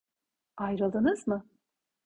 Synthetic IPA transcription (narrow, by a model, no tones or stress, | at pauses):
ajɾɯlˠd̪ɯnɯzmɯ